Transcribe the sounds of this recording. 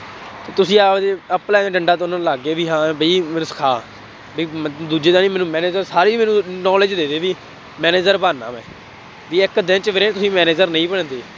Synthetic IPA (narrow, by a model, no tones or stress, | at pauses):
t̪eːt̪ʊsĩːaːpd̪eːəplɛːd̪eːɖəɳɖaːt̪ːnãːnlaːɡeːʋiːɦãːbəiːmɛːnũːsə̥kʰaː | biːd̪uːd͡ʒeːd̪ãːnĩːmɛːnũːmɛːneːd͡ʒəɾsaːɾiːmɛːnũːnɔːled͡ʒd̪eːd̪eːʋiː | mɛːneːd͡ʒəɾbaːna̰ːmɛ̰̃ː | ʋiːɪkd̪ɪ̃nt͡ʃʋeːɾeːt̪ʊsĩːmɛːneːd͡ʒəɾnəĩːbəɳ̃ːd̪eː